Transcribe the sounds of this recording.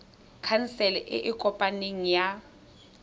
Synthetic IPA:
kʰansɛlɛʔɪ̰ʔɪkʼɔpʼaneŋ̩ja

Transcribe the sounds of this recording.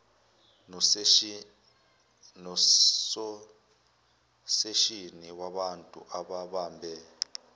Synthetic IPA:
nsɔ | seʃiniwaɓantʼṵʔaɓaɓambʱɛ

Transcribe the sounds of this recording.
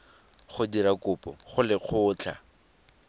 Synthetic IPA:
χʊdiɾakʊpɔχʊlɪq͡χʰʊːt͡ɬʰa̰

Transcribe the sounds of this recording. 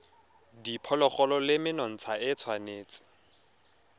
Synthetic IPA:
dipʰɔlɔχɔlɔlɪmɪnɔn̩t͡sʰaɪt͡sʰwaneːt͡sɪ̥

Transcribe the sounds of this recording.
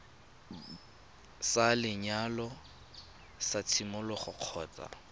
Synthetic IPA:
salɪɲalɔ | sat͡sʰimʊlɔχʊq͡χʰɔ̰ːt͡sʼa̰

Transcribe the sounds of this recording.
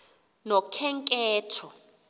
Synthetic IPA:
nɔkʰɛŋkʼɛːtʰɔ

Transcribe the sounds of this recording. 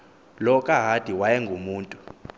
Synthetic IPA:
lɔkʼaɦad̥ʱiwajɛŋɡʱumuːntʼu

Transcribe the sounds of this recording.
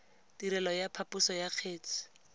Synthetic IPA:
tiɾɛlɔjapʰapʊsɔjaq͡χʰeːt͡sʰɪ̥

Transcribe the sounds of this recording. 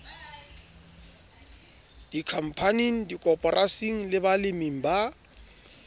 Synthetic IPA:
d̥ikʰam̩pʰaniŋ̩dikʼɔpʼɔrʔasiŋ̩lɪbalɪmiŋ̩ba

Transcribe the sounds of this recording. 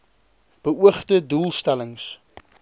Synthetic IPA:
b̥əuəχtəduːlˠstæləŋs

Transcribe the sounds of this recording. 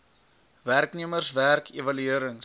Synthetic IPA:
værkniəmərsværkʰevɐlyiəɾəŋ

